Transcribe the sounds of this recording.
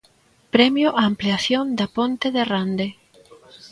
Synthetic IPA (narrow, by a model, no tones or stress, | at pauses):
pɾɛmjʊʔaːmpleaθjond̪apont̪eðerand̪e